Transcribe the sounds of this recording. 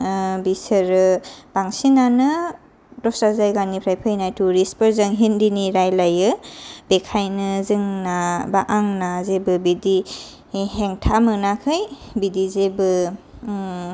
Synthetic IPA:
bisɯɾɯb̥aŋsinanɯ | dɔsazajɡanipʰɾajpʰɯjnajtuɾispɯɾzɯŋɦindiniɾajlajɯbekʰajnɯzɯŋnabaʔaŋnazebɯbidi | ɦeŋtʰamɯnakʰɯjbidizebɯ

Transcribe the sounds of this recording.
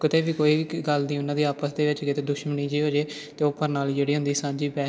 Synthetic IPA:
kɪt̪eːbiːkoːiːʋiːɡəld̪iːʊnãːd̪iːaːpəsd̪eːʋɪt͡ʃkɪt̪eːd̪ʊʃməniːd͡ʒiːɦoːd͡ʒeː | t̪eːopːəɾnaːld͡ʒeːɽiːɦʊ̃nd̪iːsãːɲd͡ʒiːbɛː

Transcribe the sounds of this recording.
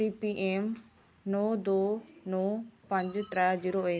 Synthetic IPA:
iːpiʔeːm | nɔːd̪oːnɔːpə̃ɲd͡ʒt̪ɾɛːd͡ʒiːɾoːeː

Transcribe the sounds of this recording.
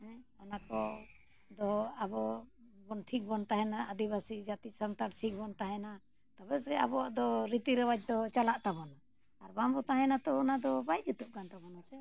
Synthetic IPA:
hɛ̃ɔnakɔ | d̪ɔabɔbɔnʈʰik̚bɔnt̪aɦɛnaad̪iβasid͡ʒat̪isant̪aʈt͡ʃʰik̚bɔnt̪aɦɛna | t̪aβɛsɛa̰bɔaʔd̪ɔɾit̪iɾɛwat͡ʃ̚d̪ɔt͡ʃalaʔt̪abɔnaː | ɾbambɔt̪aɦɛnat̪ɔːnad̪ɔbajd͡ʒut̪uʔ̚kant̪abɔnasɛ

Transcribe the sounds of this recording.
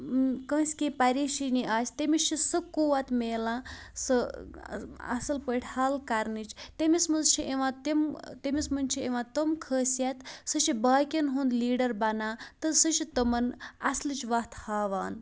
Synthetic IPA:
kə̃ːsʲkepɐɾiːʃiniʔaːsʲt̪emit͡ʃʰisɨkuːʋat̪meːlãː | sɨ | ɐ̰sɨlpəʈʰʲhaːlkɐɾnit͡ʃt̪emismɐnzt͡ʃʰiʔeʋãːt̪imt̪emismɐnʲt͡ʃʰieʋãːt̪əmkʰəːsjat̪sɨʃibaːkʲɐnɦũːnd̪liːɖɐɾbɐnaːt̪ɨsɨʃit̪ɐmɐnɐslɨt͡ʃʋɐt̪haːʋaːn

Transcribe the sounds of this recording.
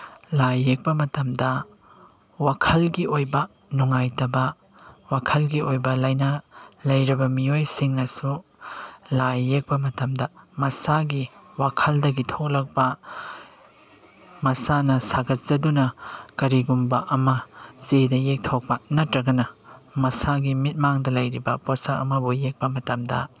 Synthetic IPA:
lajːek̚pɐmɐtɐmdɐ | wakʰɐlɡiojbɐ | nuŋajtɐbɐ | wakʰɐlɡiojbɐlɐjnɐlɐjɾɐbɐmiojsiŋnɐsu | lajːek̚pɐmɐtɐmdɐmɐsaɡiwakʰɐldɐɡitʰok̚lɐk̚pɐ | mɐsanɐsaɡɐt̚zɐdunɐkɐɾiɡumbɐʔɐmɐzedɐjek̚tʰok̚pɐnɐtɾɐɡɐnɐmɐsaɡimit̚maŋdɐlɐjɾibɐposaɐ̰mɐbujek̚pɐmɐtɐmdɐ̰

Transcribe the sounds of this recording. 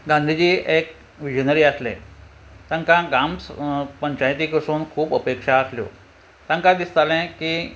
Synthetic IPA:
ɡãnd̪ʱid͡ʑiːek̚ | ʋid͡ʑənəɾiːəslḛ̃ | t̪ãŋkãɡamspəɲt͡ɕajt̪ikəsuːnkʰuːpəpekʂaːsljo̰ | t̪ãŋkãd̪ist̪alɛ̃kiː

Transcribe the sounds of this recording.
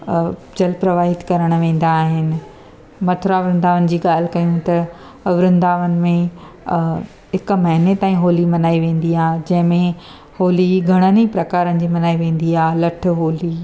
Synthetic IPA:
d͡ʑɐlpɾɐʋaːɦɪt̪kɐɾəɽ̃̆ʋẽːn̆d̪aːɦɪnɪ̆ | mɐʈʰɾaʋɾɪ̃nd̪aːʋənɪ̆d͡ʑiːɡaːl̤ɪkɐjũt̪ɐ | ʋɾɪ̃nd̪aːʋənɪ̆mẽ | ɦɪkmɐɦɪnet̪aːĩɦoːlimɐnaːiʋẽːn̆d̪iaːd͡ʑɐ̃ɦɪ̃mẽ | hoːliɡʱɐɽ̃ənipɾɐkaːɾənɪ̆d͡ʑiːmɐnaːiʋẽːn̆d̪iaːlɐʈʰɦoːli

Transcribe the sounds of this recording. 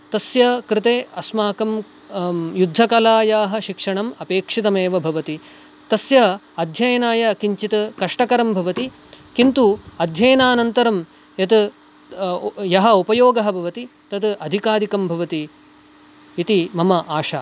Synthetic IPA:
t̪ɐsjɐkɾɪt̪eːɐsmaːkɐm | jud̪ʱːɐkɐlaːjaːɦɐ̆ʃikʂɐɳɐmɐpeːkʂit̪ɐmeːʋɐbʱɐʋɐt̪i | t̪ɐsjɐ | ɐd̪ʱjɐjɐnaːjɐkiɲt͡ʃit̪ɐkɐʂʈɐkɐɾɐmbʱɐʋɐt̪i | kint̪uɐd̪ʱjɐjɐnaːnɐnt̪ɐɾɐm | jɐt̪ | jɐɦɐupɐjoːɡɐɦɐbʱɐʋɐt̪it̪ɐt̪ʔɐd̪ʱikaːd̪ʱikɐmbʱɐʋɐt̪i | t̪imɐmɐʔaːʃaː

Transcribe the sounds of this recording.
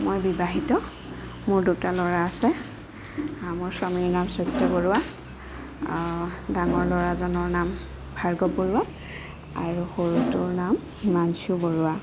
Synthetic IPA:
mojbibaɦitɔ | mʊɹdutalɔɹaːsɛ | amʊɹsɔmiɹnamsɔtːɔboɹʊwa | daŋɔɹlɔɹazɔnɔɹnam | bʱaɹɡɔpoɹʊa | a̰ɹuxoɹutʊɹnam | imansuboɹʊa

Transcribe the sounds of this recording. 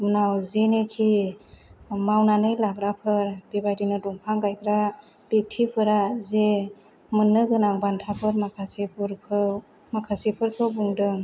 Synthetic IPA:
unawzenekʰi | mawnanɯjlabɾapʰɯɾb̥ebajdinɯduŋpʰaŋɡajkʰɾa | b̥ek̚tʰipʰɯɾaze | mɯnːɯɡɯnaŋbantʰapʰɯɾmakʰasepʰɾpʰɯ | makʰasipʰɯɾkʰɯwbuŋdɯŋ

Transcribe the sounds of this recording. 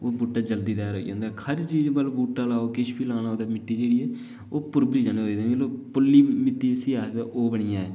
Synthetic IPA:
oːbuːʈãːd͡ʒəld̪iːd̪ɛːɾo̰ːḭd͡ʒã̰ːnd̪aːkʰəɾt͡ʃiːd͡ʒbəlbuːʈãːlaːoːkɪʃʰbiːlaːnaːoːd̪aːmɪʈːiːd͡ʒeːɽiːɛː | oːpʊɾbɾiːd͡ʒãːneɦoːiːd̪ẽːʋeːloːpʊlːiːmɪt̪ːiːsiːaːd̪aʔoːbəɽɪjãːɛː

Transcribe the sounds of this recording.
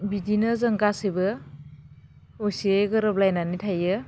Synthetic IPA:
bidinɯzɐŋɡasibɯ | osieɡɯɾɔp̚lajnanitʰajɯ

